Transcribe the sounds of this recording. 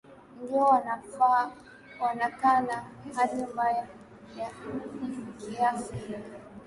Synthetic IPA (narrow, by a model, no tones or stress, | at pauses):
ndiɔwanafa | wanakanahaɗimbaja | ja | kija